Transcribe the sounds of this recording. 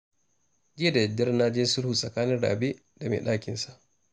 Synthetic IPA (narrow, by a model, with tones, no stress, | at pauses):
d͡ʒɪ˦a˨da˨jdːɐ˦rnaː˦d͡ʒɪ˦nsʊ˦ɽhu˨sʼɐ˨kaː˦nɪ˦nɽa̰ː˨be˦ | da˨mḛ˨ɗaː˦˨kʲɪ˨nsa˦ʔ